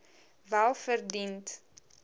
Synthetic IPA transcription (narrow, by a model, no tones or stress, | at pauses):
vælˠfərdint